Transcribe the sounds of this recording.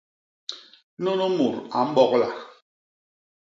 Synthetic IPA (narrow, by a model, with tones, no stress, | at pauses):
nɔ˦nɔ˦mu˨ɾa˨m̩˦ɓɔ˦kla˨